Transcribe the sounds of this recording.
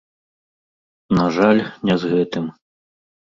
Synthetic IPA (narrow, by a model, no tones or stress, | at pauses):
naʐalʲnʲɛzɣɛt̪ɨm